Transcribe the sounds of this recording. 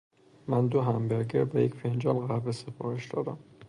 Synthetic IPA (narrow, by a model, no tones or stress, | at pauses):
mænd̪oɦæmbeɾɡeɾbejecfend͡ʒɒlɣæɾbesefɒːɾeʃd̪ɒːd̪æm